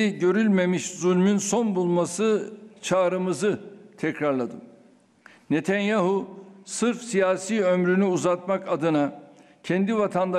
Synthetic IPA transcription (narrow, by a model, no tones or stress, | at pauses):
iɟø̞ɾylʲme̞miʃzulʲmynso̞nbulˠmasɯt͡ʃʰaːɾɯmɯzɯt̪ʰɛcɾaɾlˠad̪ɯm | ne̞t̪ʰanjaɦusɯɾfsijaːsiːømɾynyuzat̪makad̪ɯna | cʰɛnd̪ivat̪ʰand̪a